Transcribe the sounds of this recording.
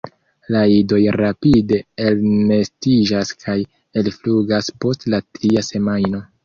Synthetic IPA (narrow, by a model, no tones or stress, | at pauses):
laido̞jɾapide̞elne̞stid͡ʒaskʰaj | e̞lfluɡaspo̞stlatɾiase̞majno̞